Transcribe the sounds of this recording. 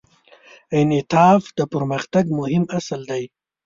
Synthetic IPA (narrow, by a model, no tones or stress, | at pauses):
ɪnɪt̪ɑːfd̪əpəɾməxt̪aɡmʊhɪmasald̪aj